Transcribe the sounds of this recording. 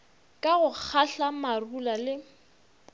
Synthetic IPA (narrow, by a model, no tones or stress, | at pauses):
kʼaɣʊk͡xʰaɬamarulalɪ